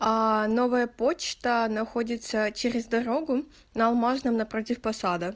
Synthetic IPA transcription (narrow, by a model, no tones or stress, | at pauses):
ano̞vəjəpo̞t͡ɕt̪ənɐxodʲɪt̪sət͡ɕeɾʲɪzd̪ɐɾo̞ɡʊ | nɐlˠmaʐnəmnɐpɾotʲɪfpɐsad̪ə